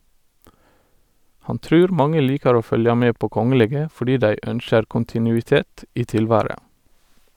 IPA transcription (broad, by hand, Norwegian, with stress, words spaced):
ˈhɑn ˈtɾʉːɾ ˈmɑŋə ˈliːkɑɹ ˈoː ˈfœljɑ ˈmeː ˈpoː ˈkɔŋəleːɡə fɔˈɖiː ˈdæɪ ˈœnʃəɾ ˌkʊntɪˌnʉːɪˈteːt ˈiː ˈtɪlˌʋæːɹə